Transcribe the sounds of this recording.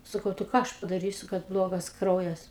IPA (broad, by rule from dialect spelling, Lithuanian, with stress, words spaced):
sɐˈkɐʊ tɐɪ ˈkɑː ˈɐʃ pɐdɐˈrʲiːsʲʊ kɐt ˈblˠoːɡɐs ˈkrɐʊjɛs